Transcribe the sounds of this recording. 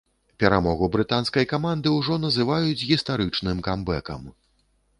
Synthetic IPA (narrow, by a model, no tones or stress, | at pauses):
pʲɛɾamɔɣubɾɨt̪anskɐjkamand̪ɨwʐɔnɐzɨvajud͡zʲɣʲist̪aɾɨt͡ʂnɨmkambɛkɐ̰m